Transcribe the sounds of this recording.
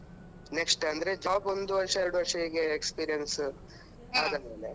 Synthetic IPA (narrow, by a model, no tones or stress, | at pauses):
neksʈɐnd̪ɾed͡ʒaːpo̞nd̪uʋɐɾʂɐeɾuɽuʋɐɾʂɐiɡeekspiːɾijɐns | aːd̪ɐnmeːle